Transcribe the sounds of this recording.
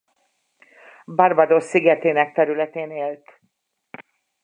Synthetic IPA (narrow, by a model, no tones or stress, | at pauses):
bɒrbɒd̪osːiɡɛt̪eːnɛk̚t̪ɛɾylɛt̪eːneːlt̪